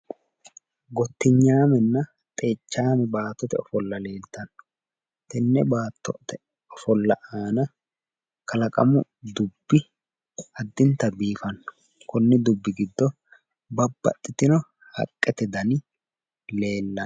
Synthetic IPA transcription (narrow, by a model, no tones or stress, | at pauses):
ɡɔt̪ːɪɲːaːmɛnːɐ | t̪ʼe̞ːt͡ʃːaːmɛbaːt̪ːɔt̪ɛɔfɔlːɐle̞ːlt̪ɐnːɔ̥ | t̪ɛnːɛbaːt̪ːɔ̰t̪ɛ | ɔfɔlːɐʔaːnɐ | kɐlɐkʼɐ̰mʊ | d̪ʊbːɪ | ɐd̪ːɪnt̪ːɐbiːfɐnːɔ̥ | kʊnːɪd̪ʊbːɪɡɪd̪ːɔ | bɐbːɐ̰t̪ʼːɪt̪ɪnɔ | hɐ̰kʼːɛt̪ɛd̪ɐn | le̞ːlːɐ